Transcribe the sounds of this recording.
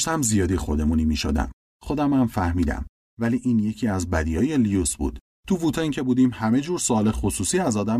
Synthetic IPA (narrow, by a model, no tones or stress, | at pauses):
ʃtæmzijɒːd̪ixo̞d̪e̞munimiʃo̰d̪æ̰m | xo̞d̪æmæmfæhmiːd̪æ̰m | væliʔiːnje̞cʰiːæzbæd̪iɒːje̞lijusbṵːd̪̥ | t̪ʰuvut̪ʰɒiːcʰe̞buːd̪iːmhæme̞d͡ʒuːɾsoɒːlexosuːsiːæzɒːd̪æm